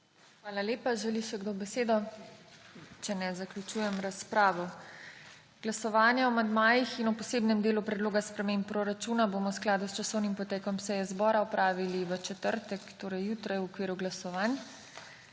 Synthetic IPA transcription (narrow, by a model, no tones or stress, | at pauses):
xʋaːlaleːpaʒɛliʃɛɡd̪oːbɛseːd̪ɔ | t͡ʃɛnɛzaklʲut͡ʃuːjɛmɾaspɾaːʋɔ | ɡ̥lasɔʋaːnjaɔmand̪maːjixinɔpɔseːbnɛmd̪eːlupɾɛd̪loːɡaspɾɛmempːɾoɾat͡ʃuːnaboːmɔwsklaːd̪ust͡ʃasɔwnimpɔt̪ɛːkɔmsɛjɛzbɔːɾaɔpɾaːʋiliʋət͡ʃɛt̪əɾt̪ɛkt̪oːɾɐjːuːt̪ɾajwɔkʋiːɾuɡlasɔʋaːn